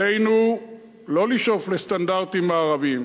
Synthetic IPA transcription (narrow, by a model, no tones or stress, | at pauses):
ejnu | loliʃoflestandaʁtimeaʁavim